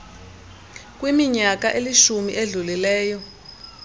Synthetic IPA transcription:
k̬ʼwimiɲakaʔeliʃumḭʔeɮulilɛːjɔ

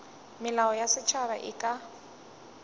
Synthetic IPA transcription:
mɪlaɔjasɪt͡ʃʰaβa̰ʔɪkʼa

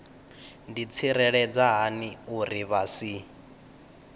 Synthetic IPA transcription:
ndit͡sʰiɾɛɺɛd͡zaɦaniuriβasi

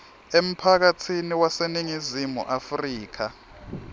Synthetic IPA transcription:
em̩pʰak̬atʰiniwaseniŋizimṵʔafriːk̬a

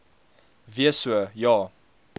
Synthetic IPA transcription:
viəsuəjɑː

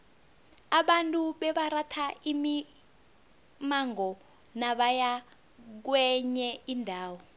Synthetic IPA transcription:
aɓantʼuɓɛɓaratʰaimi | maŋɔ | naɓaja | k̬wɛɲɛindʱaːwɔ

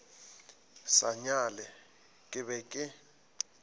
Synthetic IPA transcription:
saɲalɛ | kʼɪβɛkʼɪ

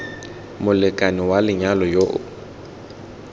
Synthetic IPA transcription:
mʊlɪkʼanɪwalɪɲalɔjoʔʊ

